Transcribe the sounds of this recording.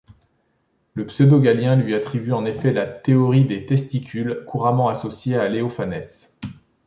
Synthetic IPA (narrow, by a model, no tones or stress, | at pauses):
ləpsød̪oɡaljɛ̃lɥiat̪χibyɑ̃nefɛlat̪eɔʁid̪et̪ɛst̪ikʲylkuʁamɑ̃asɔsjealeofanɛs